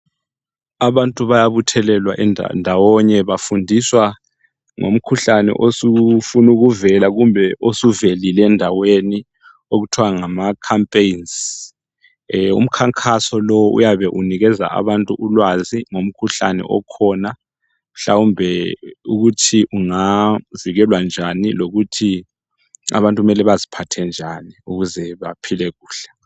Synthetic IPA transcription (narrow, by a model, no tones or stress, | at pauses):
aβantʼuβajaβutʰɛlɛlwaʔɛn̰ndʱawɔɲɛβafundʱiswa | ŋo̰m̩kʰuɬanɛ̰ʔosufunuɣuvɛlaɣumbʱɛʔosuvelilɛndʱaweni | oɣutʰwaŋamakʰampʼejns | ṵm̩kʰaŋkʰasɔlɔwʔṵjaβɛʔuniɣɛza̰ʔa̰βantʼuʔulwaziŋom̩kʰuɬa̰nɛ̰ʔɔ̰kʰɔna | m̩ɬawumbʱɛuɣutʰiʔuŋaziɣɛlwand͡ʒʱaniloɣutʰi | a̰βantʼuumɛlɛβazipʰatʰɛnd͡ʒʱaniuɣuzɛβapʰilɛɣuːɬɛ̥